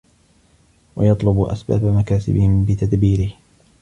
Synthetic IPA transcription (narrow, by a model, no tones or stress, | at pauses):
wa̰jɑt̪ˤlʊbʔa̰sba̰ːbamakaːsɪ̰bɪhɪmbɪt̪ad̪biːɾɪh